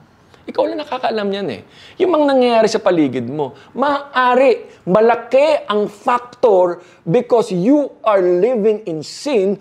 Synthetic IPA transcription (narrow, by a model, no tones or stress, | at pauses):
ʔɪkawlɐnɐkaːkɐʔɐlamɲanɛ̰ | jʊŋmɐŋanɐŋjɐjaːɾɪsɐpɐliːɡɪd̪̚mo̞ | mɐʔaʔaːɾɪmɐlɐkɛʔɐŋfak̚t̪oɹ | bɪkosjuʔɐɹlɪvɪŋɪnsɪn